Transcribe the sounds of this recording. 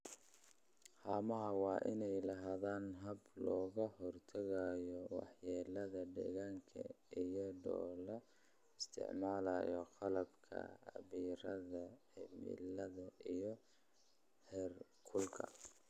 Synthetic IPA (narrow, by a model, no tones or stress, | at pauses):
haːmɐɦɐwɑːʔɪnɛjlɐɦaːðaːnɦɐblɔːɣɐhɔrt̪ʰɐɣajɔwɑ̰ħjɛːlɐðɐɖɛ̰ːɣaːŋkʰɐ̰ijɔɖɔ̰ːlɐ | ɪst̪ʰɪ̰ʕmaːlɐjɔqɑlɐbkʰɐ̰ɐβiːɾɐðɐħɪmḭlɐðɐʔijɔ | hɛːrkʰʊlkʰɐ̰